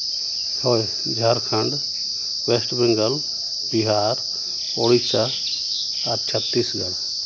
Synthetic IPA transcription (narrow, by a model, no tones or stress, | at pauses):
hoj | d͡ʒʱaɾkʰə̃ɳɖ̪ | wesʈbĩŋɡəl | biɦaːɾ | oɽisa | aɾt͡ʃʰət̪ːisɡəl